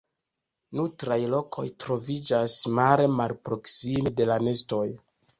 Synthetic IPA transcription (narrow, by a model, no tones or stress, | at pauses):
nutɾajlo̞kʰo̞̰jtɾo̞vid͡ʒasmaɾemalpɾo̞ksimede̞lane̞sto̞j